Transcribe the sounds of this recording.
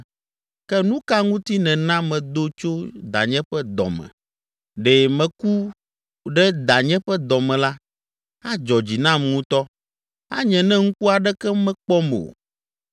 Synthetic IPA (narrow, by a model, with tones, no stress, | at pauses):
kɛ˦nũ˦ka˦ŋũ˦t̪i˦nɛ̃˨nã˦mɛ̃˨d̪o˦t͡ʃo˦d̪a̰˨ɲɛ̃˦ɸɛ˦d̪ɔ̰˨mɛ̰̃˨ | ɖɛ˨mɛ̃˨ku˦ | ɖɛ˦d̪a˨ɲɛ̃˦ɸɛ˦d̪ɔ˨mɛ̃˨la˦ | ha˦d͡ʒɔ˨d͡ʑi˨nã˦m˨ŋũ˦t̪ɔ˦ | a˦ɲɛ̃˨nɛ̃˦ŋu˦ku˦a˨ɖɛ˦kɛ˦mɛ̃˦k͡pɔ˦me˨o̰˨